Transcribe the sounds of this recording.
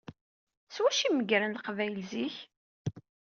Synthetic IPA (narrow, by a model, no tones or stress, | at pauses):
swæʃiməɡɾənləqvæjlziç